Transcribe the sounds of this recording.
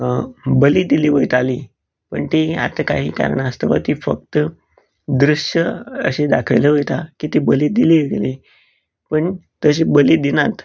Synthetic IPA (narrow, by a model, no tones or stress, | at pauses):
bəlid̪iliːʋəjt̪ali | pəɳt̪ia̰t̪aka̰ɦiːka̰ɾəɳaəst̪əʋa̰t̪ifə̰k̚t̪ə | d̪ɾuʂəə̰ɕed̪akʰəjleʋəjt̪akit̪ibəliːd̪iliʋəle | pəɳt̪əɕ̬ibəlid̪inat̪